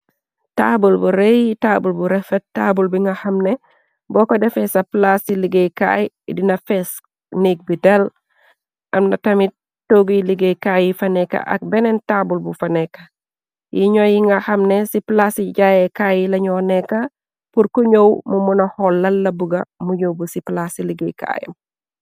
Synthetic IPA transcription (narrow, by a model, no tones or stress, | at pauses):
tabulbuɾejitaːbulbuɾɛfɛtaːbulbiŋɡɐhɐmne | bɔkodɛfesɐplasiliɡejka̰ji | dinɐfes | nik̚bidel | ʔɐmnɐtɐmit̚ | toɡiliɡejkajifɐnɛkːɐ̰ʔɐ̰k̚bɛnɛntabulbufɐnɛkːɐ | jiɲɔjiŋɡɐhɐmnɛsiplasiɟajɛkaːjilɐɲɔnɛkːɐ | puɾkuɲowmumunɐhɔlːɐlːɐbuɡɐmuɲowbusiplasiliɡejka̰jɐ̰m